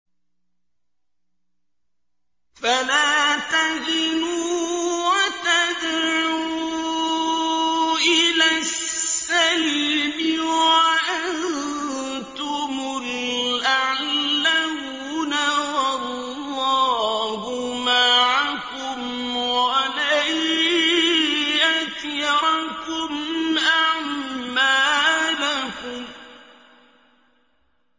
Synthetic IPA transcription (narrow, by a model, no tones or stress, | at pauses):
falaːt̪ad͡ʒɪnuːwat̪ad̪ʕʕuuː | ʔɪlasːalmɪwaʔann | t̪ʊmʊlʔaʕllːam | naɑɾ | lˤː | ɑːhʊmaʕak | ʊm | walaj | ʔat̪jaɾkʊmʔaʕmaːlakʊm